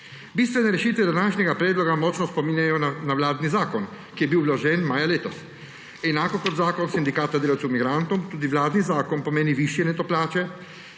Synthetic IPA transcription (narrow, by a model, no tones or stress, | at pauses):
biːst̪ʋɛnɛɾɛʃiːt̪ʋɛd̪anaːʃnʲɛɡapɾɛːd̪lɔɡamɔːt͡ʃnɔspɔminjajɔnawlaːd̪nizaːkɔn | kijɛbiwlɔʒɛnmaːjaleːt̪ɔs | ɛnaːkɔkɔd̪zaːkɔnsind̪ikaːt̪ad̪eːlawt̪sɛwmiɡɾant̪ɔmt̪uːd̪iʋlaːd̪nizaːkɔnpɔmeːniʋiʃjɛnɛt̪oplaːt͡ʃɛ